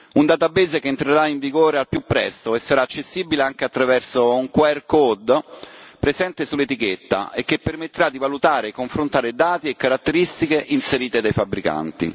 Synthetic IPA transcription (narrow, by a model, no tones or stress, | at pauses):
und̪at̪abeːzekeːnt̪ɾeɾaiɱviɡoːɾealpjupːɾɛ̰st̪oesːaɾaːt͡ʃːesːiːbileaŋk̟eat̪ːɾavɛrsouŋkwɛrkod̪ | pɾezɛnt̪esulːet̪iket̪ːa̰ʔek̟ːepːermet̪ːeɾad̪ːivalut̪aːɾekːoɱfɾont̪aːɾed̪aːt̪iekːaɾat̪ːeɾist̪ikeʔinseɾiːt̪ed̪ajfabɾika̰nt̪ḭ